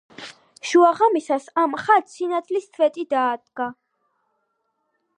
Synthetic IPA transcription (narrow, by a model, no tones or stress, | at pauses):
ʃuaʁamisasamχat̪sinat̪ʰlist̪ʰvɛt̪ʼid̪aːd̪̚ɡa